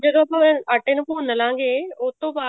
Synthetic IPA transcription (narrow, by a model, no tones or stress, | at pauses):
d͡ʒɐd̪oɐpɐ̃ɐʈenpoːnɐlãːŋɡeoːt̪obaː